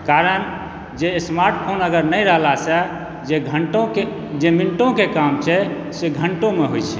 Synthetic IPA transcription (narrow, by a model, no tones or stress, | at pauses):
kaɾən | d͡ʒesmaɾʈpʰonəɡəɾnəjɾəɦlasə | d͡ʒeɡʱəɳʈõke | d͡ʒemiɳʈõkekamt͡ʃʰɛ | seɡʱəɳʈõmeɦojt͡ʃʰɛ